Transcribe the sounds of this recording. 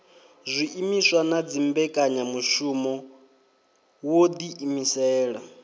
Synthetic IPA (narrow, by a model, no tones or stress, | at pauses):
zʷiʔimiswanad͡zimbɛkʼaɲamuʃumɔ | wod̪iʔimisɛːɺa